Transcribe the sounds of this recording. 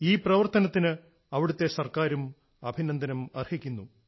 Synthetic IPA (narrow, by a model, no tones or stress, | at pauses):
iːprɐʋɐrt̪ɐnɐt̪ːinɨ | ɐʋiɽut̪ːe̞sɐrkaːɾum | ɐbʱinɐnd̪ʱɐnɐmɐrhikʲːunːu